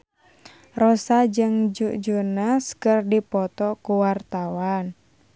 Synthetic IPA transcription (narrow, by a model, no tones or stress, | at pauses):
rɔsad͡ʒɨŋd͡ʒud͡ʒunaskərdipɔt̪ɔkuwart̪awan